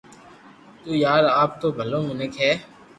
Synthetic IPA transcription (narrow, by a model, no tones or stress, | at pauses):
t̪uːjaːɾaːp̚t̪oːbʱəlõːmɪnəkɦɛː